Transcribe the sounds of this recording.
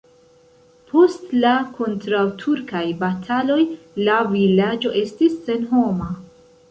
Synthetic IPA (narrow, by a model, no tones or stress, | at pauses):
pʰo̞stlakʰo̞ntɾawtʰuɾkajbatʰalo̞j | lavilad͡ʒo̞ʔe̞stisːe̞nɦo̞ma